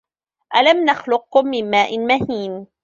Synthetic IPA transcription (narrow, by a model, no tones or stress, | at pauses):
ʔalamnaxlʊq̚ːʊmːɪmmaːʔɪnmahiːm